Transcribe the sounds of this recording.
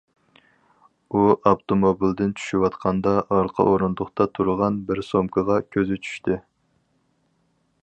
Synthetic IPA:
uʔɑpt̪ʰomobild̪ɪnt͡ʃʰy̥ʃiwɑt̪qʰɑnd̪ɑʔɑɾqʰɑ̰ʔoɾund̪ʊχt̪ɑt̪ʰuɾʁɑnbɪɾsomkʰəʁɑkʲʰøzɪt͡ʃʰy̥ʃt̪ʰɪ

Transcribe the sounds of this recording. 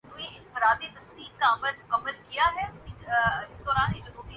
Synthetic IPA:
nũːẽɪnfɪɾaːd̪et̪əsd̪iːkkaməlʊkəməlkijaːɦɛːʊsĩːɪsd̪ɔːɾaːnɦed͡ʒʊɦoːki

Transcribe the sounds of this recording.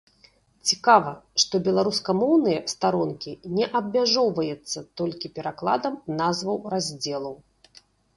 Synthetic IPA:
t͡sʲikavɐʂt̪ɔbʲɛlˠaɾuskɐmɔwnɨjɐst̪aɾɔnkʲinʲɛʔɐbʲmʲaʐɔwvɐjɛt̪sːɐt̪ɔlʲkʲipʲɛɾaklˠa̰d̪ɐmnazvɐwrazʲd͡zʲɛlˠɐw

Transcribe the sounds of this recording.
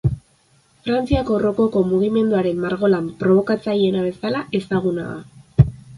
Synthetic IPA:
fɾant͡siako̞ro̞ko̞ko̞muɣime̞nd̪uaɾe̞mːaɾɣ̞o̞lampɾo̞β̞o̞kat͡saje̞naβ̞e̞salaʔe̞saɣ̞una̰ða̰

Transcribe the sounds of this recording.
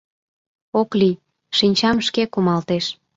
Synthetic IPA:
okli | ʃinʲt͡ɕɑmʃkekumɑlt̪eʃ

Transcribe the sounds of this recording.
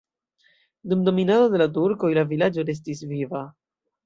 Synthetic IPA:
dumdo̞minado̞de̞latuɾko̞jlavilad͡ʒo̞ɾe̞s̬tisviva

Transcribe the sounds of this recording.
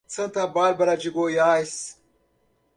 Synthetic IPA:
t͡sɐnt̪abaːlbɐɾad͡ʒiɡoːjaːjs

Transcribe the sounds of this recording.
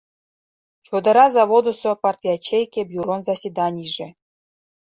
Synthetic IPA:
t͡ɕod̪ɤ̆ɾɑzɑvod̪osŏpɑrtʲiat͡ɕejkʲebʲjuɾonzasʲid̪ɑnʲiʐɘ̆

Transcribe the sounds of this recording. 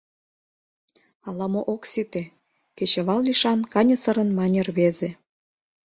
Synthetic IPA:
ɑlɑmoʔoksit̪e | ket͡ɕeβɑlliʃɑnkɑnʲɤ̆sə̆ɾə̆nmɑnʲerβeze

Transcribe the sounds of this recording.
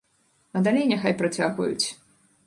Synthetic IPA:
ɐd̪alʲejnʲɛxajpɾɐt͡sʲaɣvɐ̰jṵt͡sʲ

